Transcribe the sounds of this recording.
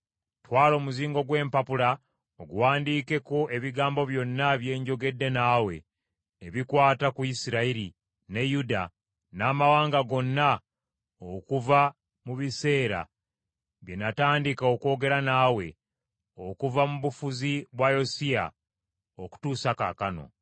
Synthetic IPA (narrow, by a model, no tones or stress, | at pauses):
twaːlo̞ːmuziːŋɡo̞ɡwe̞ːmpapula | oɡuwaːndiːke̞koʔe̞βiɡaːmbo̞βjo̞nːaβje̞ːɲɟo̞ɡe̞dːe̞naːwe̞̰ː | βikwaːtakuisiɾaiɾi | ne̞juda | naːmawaːŋɡaɡo̞nːa | okuva | muβise̞ːɾa̰ | βje̞nataːndikaoko̞ːɡe̞ɾanawe̞̰ | okuvamuβufuziβwajosija̰ | oku̥tuːsaka̰kano̞̰